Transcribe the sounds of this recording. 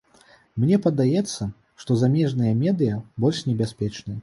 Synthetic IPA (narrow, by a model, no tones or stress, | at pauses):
mnʲɛpɐd̪ajɛt̪sːɐ | ʂt̪ɔzamʲɛʐnɨjɐmʲɛd̪ɨjɐbɔlʲʂnʲɛbʲasʲpʲɛt͡ʂnɨjɐ